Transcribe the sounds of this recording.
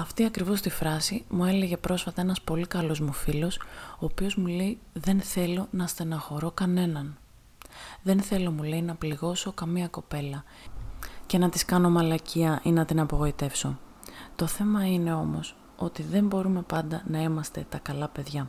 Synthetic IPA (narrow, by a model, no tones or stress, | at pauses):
ɐft̪iɐkɾivo̞st̪ifɾɐsimue̞le̞ʝe̞pɾo̞sfɐt̪ɐe̞nɐspo̞likɐlo̞zmufilo̞soːpio̞zmule̞i | ðe̞nθe̞lo̞nɐst̪enɐxo̞ɾo̞kɐne̞nɐn | ðe̞nθe̞lo̞mule̞jinɐpliɣo̞so̞kɐmiɐko̞pe̞lɐ | ce̞nɐt̪iskɐno̞mɐlɐciɐʔinɐt̪inɐpo̞ɣo̞it̪e̞fso̞ | t̪o̞θe̞mɐine̞o̞mo̞̰s | o̞t̪iðe̞mbo̞ɾume̞pɐnd̪ɐnɐimɐst̪e̞t̪ɐkɐlɐpe̞ðʝɐ